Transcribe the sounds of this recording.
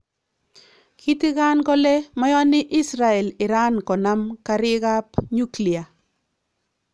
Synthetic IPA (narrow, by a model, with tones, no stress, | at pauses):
kʰi˦ti˦ka˦nkɔ˦lɛ˦mɔ˦jɔ˦nɪ˦ʔi˦sɾa˨ɛ˨lɪ˨ɾa˦nkɔ˨na˦mkaɾɪ˦ka˦pɲu˦kli˨a˨